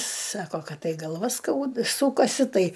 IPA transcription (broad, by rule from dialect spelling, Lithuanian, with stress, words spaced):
ˈsɑːkoː ˈkɐt ˈtɐɪ ɡɐlˠˈʋɐ ˈskɐʊt ˈsuːkɐsʲɪ ˈtɐɪ